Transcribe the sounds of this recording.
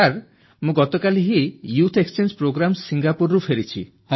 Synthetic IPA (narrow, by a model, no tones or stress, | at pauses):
aɾ | mũɡɔt̪okaliɦijut̪ʰekst͡ʃend͡ʒpɾoɡɾamsiŋɡapuɾːupʰeɾit͡ʃʰi